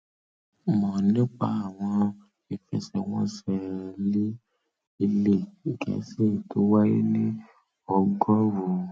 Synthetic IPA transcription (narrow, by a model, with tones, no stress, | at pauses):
mɔ̃˨nĩ˦k͡pa̰˧a˨w̃ɔ̃˧ | i˨fɛ̰˧˨sɛ˨w̃ɔ̰̃˦sɛ˧˨li˦ | i˧le˦˨i˨kɛ̰˨˦se˦˨to˨˦wa˦ji˦nĩ˦ | ɔ˧ɡɔ˦ɾu˨